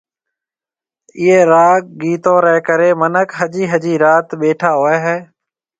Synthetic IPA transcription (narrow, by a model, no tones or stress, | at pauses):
ɪːeːɾaːk̚ɡiːt̪oːɾɛːkəɾeːmənəkɦəd͡ʒiːɦəd͡ʒiːɾaːt̪ɓeːʈʰaːɦoːeːɦɛː